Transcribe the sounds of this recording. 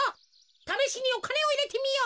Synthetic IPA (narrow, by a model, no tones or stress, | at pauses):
t̪ameɕiniokʰaneoinet̪ʰimijo